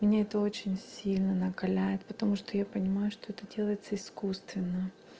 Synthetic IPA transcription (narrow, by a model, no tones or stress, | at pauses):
mʲɪnʲaɛt̪əo̞t͡ɕɪnʲsʲilʲnənəkɐlʲæjɪt̪̚pət̪ɐmuʂt̪ojapənʲɪmajʊʂt̪o̞ɛt̪ədʲe̞lˠəjɪt̪səɪskust̪vʲɪnːə